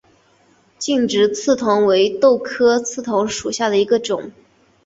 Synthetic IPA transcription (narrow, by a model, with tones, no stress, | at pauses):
t͡ɕi˥˩ŋʈ͡ʂɻ̩˧˥t͡sʰɹ̩˥˩t̪ʰʊ˧˥ŋwe˧˥ɪt̪o˥˩ʊkʰɤ˥t͡sʰɹ̩˥˩t̪ʰʊ˧˥ŋʂu˨˩ɕja˥˩d̪ə˩i˧˥ɡə˧ʈ͡ʂʊ˨˩˦ŋ